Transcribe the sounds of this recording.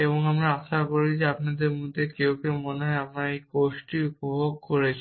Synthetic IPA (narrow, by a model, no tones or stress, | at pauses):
eβoŋamɾaaʃakoɾid͡ʑeapnad̪eɾmud̪ʱːekewkemoneɦɔap̚naejkoʃʈiupobʱoɡ̚koɾet͡ɕʰ